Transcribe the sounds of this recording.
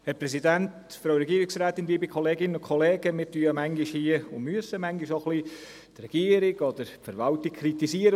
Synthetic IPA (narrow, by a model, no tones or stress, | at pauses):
hɛɾpɾɛsidænt | fɾowɾɛɡiəɾɪksɾæːt̪ːɪndiːbikʰɔleːɡɪnənʊkʰɔleːɡəmɪːɾtyəmæŋɡiʃhiəʊmyəsəmæŋɡiʃɔχli | t̪rɛɡ̥iːəɾɪɡ̥ɔd̥̪əɾfəɾʋɑltɪkkʰɾitisiəɾə